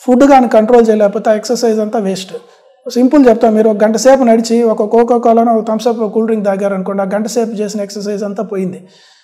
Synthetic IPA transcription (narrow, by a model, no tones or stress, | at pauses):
pʰuɖɡaːnikɐɳʈɾoːlt͡ʃɛːjɐleːpɔːt̪eeksɐɾsɐjzɐnt̪aːʋesʈ | simpult͡ʃɛbut̪aːmmiːɾuɔkɐɡɐɳʈɐseːp̬unɐɽit͡ʃiɔkɐkɔːkɔːkaːlɐnɔkɐt̪ɐmsɐpkuːlɖɾiŋɡd̪aːɡaːɾɐnukɔɳɖaːɡɐɳʈɐseːp̬t͡ʃe̞ːs̬inɐeksɐɾs̬ɐjzɐnt̪aːpoːjind̪i